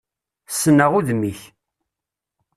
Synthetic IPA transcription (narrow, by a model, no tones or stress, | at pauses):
sːənːəʁuðmiç